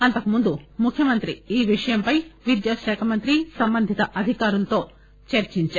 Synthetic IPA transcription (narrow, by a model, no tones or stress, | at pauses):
ɐnt̪ɐkumund̪umukʰjɐmɐnt̪ɾiiːʋiʂɐjɐmpɐjʋid̪jaːʃɛːkʰɐmɐnt̪ɾisɐmbɐnd̪ʱit̪ɐʔɐd̪ʱikaːɾulɐt̪o̞ː | t͡ʃɐɾt͡ʃiɲt͡ʃaːɾ